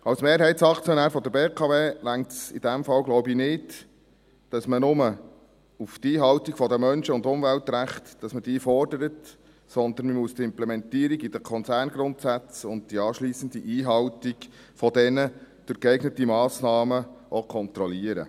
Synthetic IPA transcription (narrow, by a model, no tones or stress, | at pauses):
ɑwsmeːɾɦɛɪtsɑkt͡sjɔnæːɾfɔd̪əɾbeːkʰɑveːlæŋtsid̥̪æmfɑwɡlɔʊbinɪt | d̥ɑsmənʊmə | uft̪iːɦɑwtikfɔd̪əmœnʃəʊndʊmvæltɾæχtd̥ɑsməd̥iːfɔrd̥əɾət | sɔnd̪ənməmuəstɪmplɛmɛntiːɾiɡid̥əkʰɔnt͡sæːɾnɡɾʊntsæt͡sʊnt̚d̥iɑːʃliːsənd̪iʔiːɦɑwtiɡ | fɔd̥ɛnəd̪̥ʊɾkɛɪɡnətimɑːsnɑːməʔokʰɔnt̪ɾɔliəɾə̰